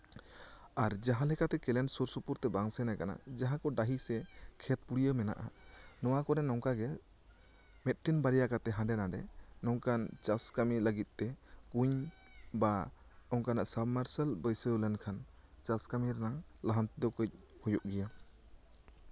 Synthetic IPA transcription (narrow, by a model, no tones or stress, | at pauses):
aɾd͡ʒaɦãlɛkat̪ɛkɛlɛnsuɾsupuɾt̪ɛbaŋsɛnakana̰d͡ʒaɦãkɔɖaɦisɛkʰɛt̪̚puɽijəmɛna̰ʔa̰nɔwakɔɾɛnɔŋkaɡɛ | mɛt̪̚ʈinbaɾijakat̪ɛɦãɖɛnaɖɛ̰nɔŋkant͡ʃaskamiləɡit̪̚t̪ɛkuɲba | ɔŋkanaʔsabmaɾsəlbəjsəlɛnkʰan | t͡ʃaskamiɾnaŋləɦant̪d̪ɔkəc̚ | hujuʔɡija